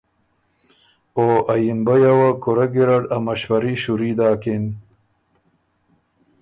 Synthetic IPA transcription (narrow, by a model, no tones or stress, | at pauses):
oʔɐjinbɐjawakuɾɐɡiɾaɖɐmɐɕwɐɾiɕuɾid̪aːkin